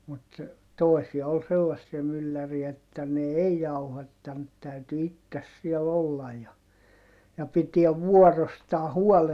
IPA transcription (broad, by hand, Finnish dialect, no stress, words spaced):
mut toˑi̯siɑ ol selːɑsːiɑ mylːæriæ etːæ ne ei jɑuhɑtːɑnt tæyty itːes siɛl olːɑj jɑ jɑ pitiɛʋ ʋuɔrostɑː huɔl